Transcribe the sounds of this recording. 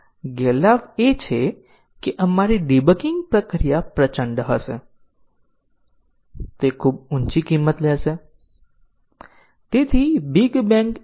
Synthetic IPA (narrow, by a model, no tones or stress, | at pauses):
ɡelaʋjet͡ʃʰe | kiʔɐmaːɾiɖibəkɪ̃ŋɡpɾəkɾijapɾət͡ʃə̃ɳɖɦəse | t̪ekʰuːb̚ʊnt͡ʃikiːmːət̪lɛːse | t̪ɪt̪ʰibɪɡbɛ̃ːŋk